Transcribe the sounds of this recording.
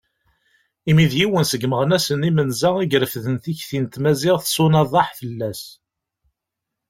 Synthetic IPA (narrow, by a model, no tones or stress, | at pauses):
imiðjiwənsəɡməʁənæsənimənzæiɡɾəfðənθiçθint̪mæzɪʁθsˤʊnɑðˤɑħfəlːæs